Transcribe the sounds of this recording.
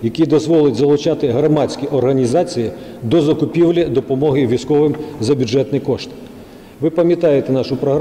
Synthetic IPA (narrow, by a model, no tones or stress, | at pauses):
jɐkʲid̪ɔzʋɔlˠɪtʲzɐlˠʊt͡ʃat̪ɪɦɾɐmat͡sʲkʲiʔɔrɦɐnʲizat͡sʲijid̪ɔzɐkʊpʲiwlʲɐd̪ɔpɔmɔɦɪʋʲijskɔʋɪmzɐbʲʊʐɛt̪nɨjikɔʂt̪ | ʋɪpɐmʲjɐt̪ajet̪ɛnɑʂʊpɾɔɦɾ